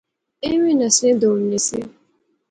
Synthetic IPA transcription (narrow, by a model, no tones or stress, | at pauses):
ewinasɪdom̩nesɪ̰